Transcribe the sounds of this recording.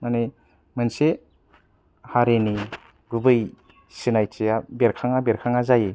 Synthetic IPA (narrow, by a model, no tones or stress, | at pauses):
mane | mɯnse | haɾeni | ɡɯbɯj | sinajt͡ʃijabeɾkʰaŋabeɾkʰaŋazaje